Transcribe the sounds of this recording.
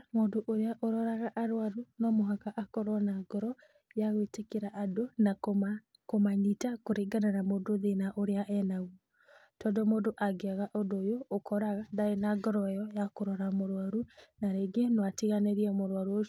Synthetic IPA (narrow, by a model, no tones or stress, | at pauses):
moːndoʔoɾeaʔoɾɔɾaɣaʔaɾwaɾunɔmoɦakaʔakɔɾwanaɡ̥ɔɾɔ | jaɣoetekeɾaʔadona | komaɲitakoɾeɡananamoːndoðenaʔoɾeaʔɛnaɣwɔ | tɔːndɔmoːndoʔaɡeaɣaʔodojoːkɔɾaɣadaenaɡɔɾɔjɔjakoɾɔɾamoɾwaɾunaɾeɡenɔatiɣaneɾiɛmoɾwaɾuo